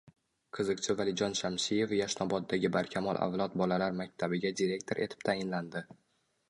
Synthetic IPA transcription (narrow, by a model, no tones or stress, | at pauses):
qʰɨzɨqt͡ʃʰɪvalɪd͡ʒɒnʃamsije̞fjaʃnɒbɒt̪̚ːaɡʲɪbaɾkʲʰamɒlˠʔa̰vlˠɒt̪̚bɒlalaɾmak̚ʲt̪ʰabɪɡʲad̪iɾe̞kt̪ʰo̞ɾʔe̞t̪ʰɪ̥p̚t̪ʰajɪnland̪ɪ